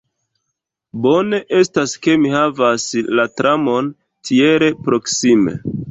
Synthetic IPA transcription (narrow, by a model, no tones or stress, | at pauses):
bo̞ne̞ʔe̞staske̞mihavaslatɾamo̞n | tʰie̞ɾe̞pɾo̞ksime̞̰